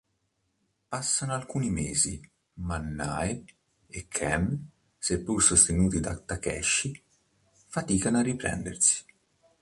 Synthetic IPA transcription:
pasːanoalkuːnimeːzi | manːa̰j | ekʰːɛm | sepːursost̪enuːt̪id̪at̪ːakɛ̰ʃːi | fat̪iːkanoarːipɾɛ̰nd̪ḛrsi̥

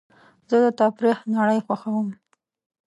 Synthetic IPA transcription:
zəd̪ət̪ɑpɾixnaɽəjxwaxawəm

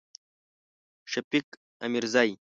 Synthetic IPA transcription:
ʂɐpik | ɐmiɾzaj

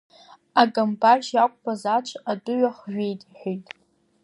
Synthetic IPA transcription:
aɡambarʒjakʷʼbazat͡ʃʷʰʼadʊɥaχʒᶣejtʼħʷᶣijtʼ

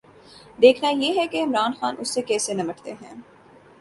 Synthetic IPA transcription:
d̪eːkʰnajeːɦɛkeɪmɾaːnxaːnʔʊsːekɛːsenɐmɐʈt̪eɦɛ̰̃ː

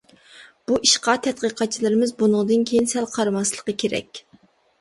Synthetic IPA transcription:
b̥uʔiʃqɑt̪ʰɛt̪̚qəqʰɑt̪̚t͡ʃʰilˠɨɾɪmɪzbunʊŋd̪ɨnkʲʰejinsɛlqʰɑɾɨmɑslˠəqəkʲʰeɾɛ̰kʲ

